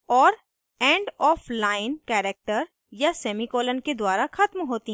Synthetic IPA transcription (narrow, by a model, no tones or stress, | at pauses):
ɔːɾ | ɛ̃ːɳɖɔːfʰlaːɪnkɛːɾek̚ʈəɾ | jasɛːmikɔːlənked̪waːɾaxɐt̪mɦoːt̪i